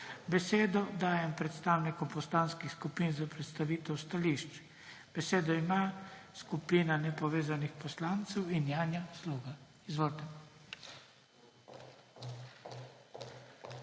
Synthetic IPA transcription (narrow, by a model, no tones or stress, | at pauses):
bɛseːd̪ɔd̪aːjɛmpɾɛt̪st̪aːwnikɔpɔslaːnskixskupiːnzapɾɛt̪st̪aʋiːt̪ɛwst̪aliʃt͡ʃ | b̥ɛseːd̪ɔimaːskupiːnanɛpɔʋeːzanixpɔslaːnt̪sɛwinjaːnjasluːɡa | izʋoːlt̪ɛ